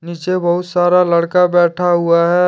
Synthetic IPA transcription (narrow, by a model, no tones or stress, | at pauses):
niːt͡ʃebəɦʊt̪saːɾaləɽkabɛːʈʰaɦuaɦɛ